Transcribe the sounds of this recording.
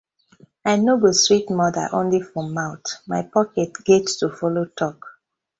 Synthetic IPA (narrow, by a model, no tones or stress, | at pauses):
aɪnoɡostɹitmɔdə̰ʔõnlifɹɔ̃maʊtmaɪpɔkɛtɡ̥ɛtstufɔlotʰɔk